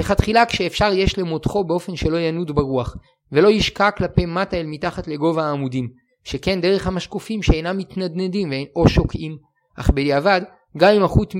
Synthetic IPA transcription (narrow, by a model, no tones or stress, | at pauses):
leχatχilakʃeːfʃaʁje̞ʃle̞motχo̞beo̞fe̞nʃe̞lo̞janudbaʁuaχ | velo̞jiʃkaklape̞mataelmitaχatle̞ɡo̞vaːmudim | ʃe̞ke̞nde̞ʁ̞e̞χhamaʃkufimʃeejnamːitnad̪nedimveo̞ʃo̞kʔim | ʔa̰χbejavad | ɡaimaχut